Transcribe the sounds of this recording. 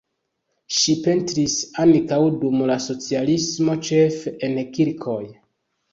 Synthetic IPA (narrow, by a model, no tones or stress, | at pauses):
ʃipe̞ntɾisankawdumlaso̞t͡sialismo̞t͡ʃe̞fenkiɾkʰo̞j